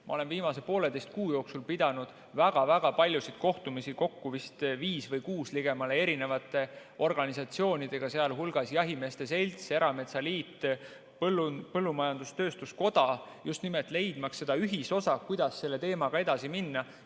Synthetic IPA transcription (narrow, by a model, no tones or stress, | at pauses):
mʔɑ̰o̞le̞nviːmɑsepo̞ːle̞d̪e̞jst̪̚kuːjo̞ːksulpid̪̥ɑnud̪̥ | væɡ̥ɑvæɡ̥ɑpɑlʲjusit̪̚ko̞ht̪umisiko̞kːuvist̪viːsvɤjkuːsliɡ̥e̞mɑlee̞ɾine̞vɑt̪ːˑe̞ | o̞rɡ̥ɑnisɑt̪sio̞ːnʲid̪̥e̞ɡ̥ɑseɑlɦulɡ̥ɑsjɑɦime̞ːst̪e̞se̞lʲt̪se̞ɾɑme̞t̪sɑliːt̪ː | pɤlːunpɤlːumɑjɑnd̪̥ust̪ø̞ːst̪usko̞d̪̥ɑ | just̪nimelt̪ːˑle̞jd̪̥mɑksːe̞d̪̥ɑyɦiso̞sɑkujd̪̥ɑsːe̞lːe̞t̪e̞ːmɑɡ̥ɑe̞d̪̥ɑsiminːɑ